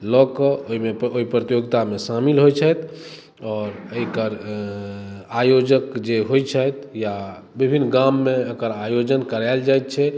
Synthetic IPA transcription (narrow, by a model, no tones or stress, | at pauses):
lɔkəoimeoipɾət̪ijoɡt̪amesamilɦojt͡ʃʰət̪ | ɔːɾəikəɾ | ajod͡ʒəkd͡ʒeɦojt͡ʃʰət̪ja | bibʱinːɡamːẽəkəɾajod͡ʒənkəɾald͡ʒajt̪̚t͡ʃʰɛ